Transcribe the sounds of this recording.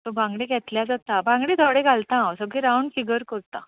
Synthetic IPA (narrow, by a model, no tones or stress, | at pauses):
t̪obʱãŋɡɽẽɡɛt̪ljad͡zat̪abãŋɡɽẽt̪ʰɔɽẽɡʱalt̪ãsəɡiɾauɳɖfiɡəɾkəɾt̪ã